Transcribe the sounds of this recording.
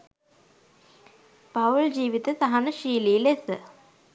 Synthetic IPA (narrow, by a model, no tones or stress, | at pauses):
paʋuɭd͡ʑiːʋit̪əsaɦanəʃiːlilesə